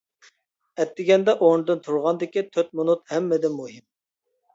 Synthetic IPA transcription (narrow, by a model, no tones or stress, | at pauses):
ɛt̪ːɪɡʲɛnd̪ɛʔoɾnɨd̪ɨnt̪ʰuɾʁɑnd̪ɪkʲit̪ʰøt̪̚munut̪hɛmːɛd̪ɪmuɦɪm